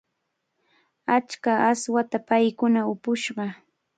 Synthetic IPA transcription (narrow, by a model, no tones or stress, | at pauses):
at͡ʃkaaswat̪apajkʊnaʊpʊʃɢɑ